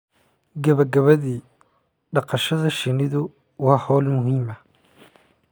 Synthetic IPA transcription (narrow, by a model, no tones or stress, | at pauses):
ɡɐβɐɡɐβɐðiː | ɖɑqɑʃɐðɐʃɪnɪðʊ | wɑːhɔːlmʊɦiːmɐ